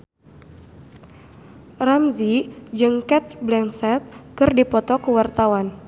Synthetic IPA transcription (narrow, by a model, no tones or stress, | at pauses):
ramzid͡ʒɨŋkɛt̪̚blɛnsɛt̪̚kɨrdipɔt̪ɔkəwart̪awan